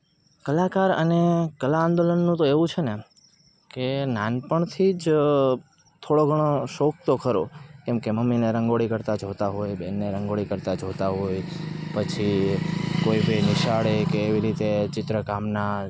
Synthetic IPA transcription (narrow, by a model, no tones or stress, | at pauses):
kəlakaɾənekəlãːnd̪olənːũt̪oeʋũt͡ʃʰene | kenanpəɳt̪ʰid͡ʒ | t̪ʰoɽoɡʱəɽ̃oʃok̚t̪okʰəɾo̰kɛ̃mkeməmːineɾəŋɡoɭikəɾt̪ad͡ʒʱot̪aɦojbenːeɾəŋɡoɽikəɾt̪ad͡ʒʱot̪aɦojpət͡ʃʰi | koibenɪʃaɭekeːʋiɾit̪et͡ʃɪt̪ɾəkamna